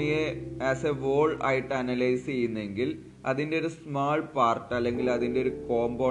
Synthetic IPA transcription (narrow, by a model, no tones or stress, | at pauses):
ɐjeɐːseʋoːɭa̰ːjiʈːɐnɐlɐjst͡ɕejːunːe̞ŋɡil | ɐðinde̞o̞ɾusmaːɭpaːrʈːɐlːe̞ŋɡilɐðindeo̞ɾuko̞ːmbo